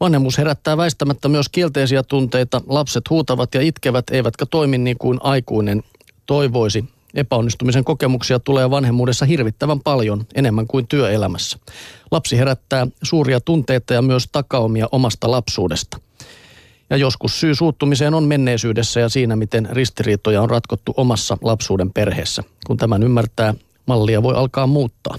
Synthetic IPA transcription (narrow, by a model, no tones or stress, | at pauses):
ʋɑnhemːuːshe̞ɾæt̪ːæːʋæist̪æmæt̪ːæmyøskie̞lt̪e̞isiæt̪unt̪e̞jt̪ɑlɑpset̪huːt̪ɑʋɑt̪jɑit̪keʋæt̪eijʋæt̪kæt̪oiminːiːŋkuinʔɑjkuinen | t̪o̞jʋo̞isi | e̞pæonːist̪umis̬e̞ŋko̞kemuksiɑt̪uleːʋɑnɦemːuːdesːɑɦirʋit̪ːæʋæmpɑljo̞nene̞mːæŋkuint̪yøelæmæsːæ̥lɑpsiɦe̞ɾæt̪ːæːsuːriɑt̪unt̪e̞jt̪ɑjɑmyøst̪ɑkɑomiɑʔo̞mɑst̪ɑlɑpsuːdest̪ɑ̥ | jɑjo̞skussyːsuːt̪ːumise̞ːnomme̞nːe̞isyːdesːæjɑsiːnæmit̪enrist̪iriːt̪ojɑonrɑt̪kot̪ːuʔomɑsːɑ̰lɑpsuːdempe̞rheːsːæ̰kunt̪æmænymːært̪æː | mɑlːiɑʋo̞jʔɑlkɑːmmuːt̪ːɑ̰ː